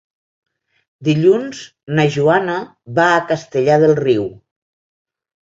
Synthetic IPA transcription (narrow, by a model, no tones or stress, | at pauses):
d̪iʎunz | nəʒuanə | βaːkəst̪əʎaðəlˠriw